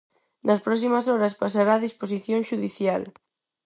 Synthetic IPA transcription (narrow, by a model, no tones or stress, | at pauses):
nɐspɾɔksimasɔɾaspasaɾaːðisposiθjõŋʃuðiθjal